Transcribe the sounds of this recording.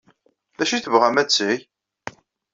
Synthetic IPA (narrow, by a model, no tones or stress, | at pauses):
ðæʃiθəvʁæmæt͡sːij